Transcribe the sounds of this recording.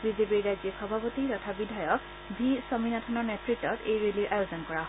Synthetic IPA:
bizepiɹːajzixɔbʱapotiɹɔtʰabidʱajɔk | bʱisɔminatʰɔnɔɹnɛtɹitːɔtejɹeliʔajozɔnkɔɹaɦ

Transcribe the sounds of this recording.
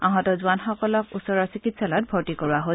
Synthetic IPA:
aɦɔ̃tɔzuanxɔkɔlɔkusɔɹɔɹsikitsalɔt̚bʱɔɹtikɔɹuaɦo

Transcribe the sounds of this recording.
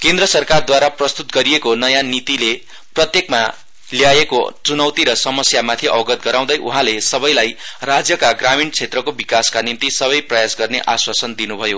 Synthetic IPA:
kend̪rʌsʌrkard̪waɾaprʌst̪ut̪ɡʌɾijekonʌjãnit̪ile | prʌt̪jekma | ljajekot͡sunʌwt̪iɾʌsʌmʌsjamat̪ʰiʌ̰bʌɡʌt̪̚ɡʌɾãw̃d̪ʌjʔuɦãlesʌbʌjlajrad͡zjʌkaɡramiɳt͡sʰet̪rʌkobikaskanint̪isʌβʌjprʌjasɡʌrneʔaswasʌnd̪inubʱʌjo

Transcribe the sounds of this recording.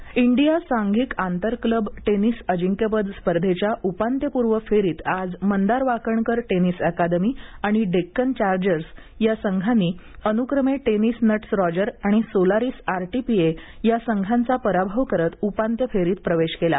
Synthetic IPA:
iɳɖijasãŋɡʱiːkant̪əɾkləbʈenisəd͡ʑiŋkjəpəd̪spəɾd̪ʱet͡ɕjaʔupant̪jəpuɾʋəfeɾiːt̪ad͡zmənd̪aɾʋakəɳkəɾʈenisəkad̪əmiːaɽ̃iɖekːənt͡ɕaɾd͡ʑəɾs | jasəŋɡʱanːiː | ənukɾəmeʈenisnəʈsɾɔd͡ʑəɾaɽ̃isolaɾiːsaɾʈipiejasəŋɡʱãnt͡sapəɾabʱəʋkəɾət̪upant̪jəfeɾiːt̪̚pɾəʋeɕkela̰

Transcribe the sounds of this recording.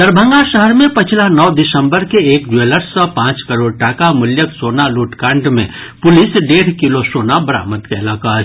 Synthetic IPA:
d̪əɾbʱə̃ŋɡaʃəɦəɾmẽpət͡ʃʰlanɔːd̪ɪsə̃mbəɾkeeːk̚d͡ʒeləɾsə̃pãːt͡ʃkəɾoːɽʈaːkamʊljək̪soːnaluːʈkãːɳɖmḛ̃ | pʊlɪsɖeːɽ̤kilosoːnabəɾa̰ːmət̪keɪlaːkaːɾ

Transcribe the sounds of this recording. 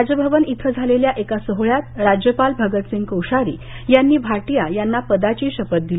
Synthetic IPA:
ɾad͡ʑjəbʱəʋənit̪ʰəd͡zʱaleljaʔekasəɦɭjat̪ɾad͡ʑjəpalbʱəɡət̪siŋɡkəwʂaɾḭː | janːiːbʱaʈijajanːapəd̪at͡ɕiːɕəpət̪̚d̪il

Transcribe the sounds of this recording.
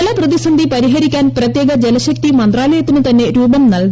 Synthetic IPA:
lɐprɐðisɐnd̪ʱipɐɾiɦɐɾikʲːaːnprɐt̪jeːɡɐd͡ʑelɐɕɐk̚t̪imɐnd̪raːlɐjɐt̪ːinɨt̪ɐnːe̞ɾuːbɐmnɐlɡ

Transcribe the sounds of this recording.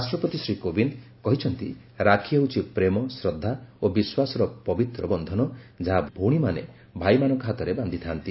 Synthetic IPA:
asʈɾɔpɔt̪isɾikobind̪ | kɔɦit͡ʃʰɔnt̪ḭ | ɾakʰieut͡ʃʰipɾemɔsɾɔd̪ʱːaobiswasɔɾɔpɔbit̪ɾɔbɔnd̪ʱɔnɔd͡ʒaɦabʱuɽ̃imanḛ | bʱajmanɔŋkɔɦat̪ɔɾeband̪ʱit̪ʰant̪i

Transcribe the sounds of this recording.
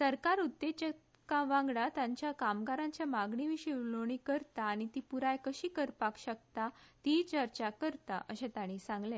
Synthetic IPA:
səɾkaɾut̪ːet͡ɕə | kaʋãŋɡɽat̪jãɲt͡ɕjakamɡaɾãɲt͡ɕjamaɡɳiʋiɕiloɽ̃ikəɾt̪aːɽ̃it̪iːpuɾajkəɕiːkəɾpakɕək̚t̪at̪it͡ɕəɾt͡ɕakəɾt̪a̰ʔəɕẽt̪ãɽ̃isãŋɡlẽ

